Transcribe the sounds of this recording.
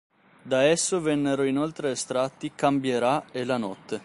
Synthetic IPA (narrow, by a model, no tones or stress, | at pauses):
d̪aɛsːovɛnːeɾoinolt̪ɾeːst̪ɾat̪ːikambjeɾaelanɔt̪ːe